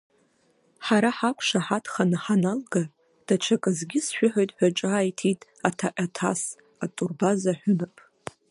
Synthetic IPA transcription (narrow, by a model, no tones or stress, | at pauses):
ħaɾaħakʷʰʂaħatʰχanaħanalɡa | d̥at͡ʃʷʰakʼɨzɡʲɪsʃᶣʊħojtʼħʷᶣaʈ͡ʂʼaːjtʰitʼ | atʰaʔʲʼatʰa̰s | atʼurbazaħʷᶣʊnapʼ